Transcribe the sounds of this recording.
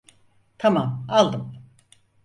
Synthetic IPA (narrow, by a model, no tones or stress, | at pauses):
t̪ʰamamalˠd̪ɯm